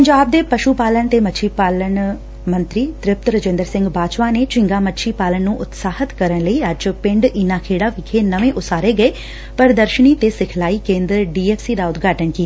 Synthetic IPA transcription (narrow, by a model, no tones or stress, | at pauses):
ppəɲd͡ʒaːb̚d̪eːpəʃupaːləɳt̪eːmətːʃʰiːpaːləɳ | mə̃nt̪ɾiːt̪ɾɪp̚t̪ɾəd͡ʒẽːnd̪əɾsɪ̃ŋɡbaːt͡ʃʋaːneːt͡ʃɪ̃ŋɡaːmətːʃʰiːpaːləɳnũːʔʊt̪saːhət̪kəɾəɳləiːəd͡ʒpɪ̃ɳɖɪnaːkʰeːɽaːʋɪkʰeːnəʋẽːʔʊsaːɾeːɡəeː | pəɾd̪əɾʃəniːt̪eːsɪkʰlaːiːkẽːnd̪ɾɖiːeːfsiːd̪aːʊt̪ɡaːʈəɳkiːa